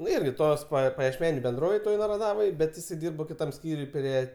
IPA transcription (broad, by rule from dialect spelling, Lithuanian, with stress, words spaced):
ˈnʊ ˈɪrʲɡʲɪ ˈtoːs pɐ pɐjiɛʃʲˈmʲæːnʲʊ bʲɛnˈdroːʋʲeːj ˈtoːj nɐrɐˈdɑːʋoːj ˈbʲɛt ɪˈsɐɪ ˈdʲiːrbɐ kʲɪˈtɐm ˈsʲkʲiːrʲʊj ˈpʲrʲiɛ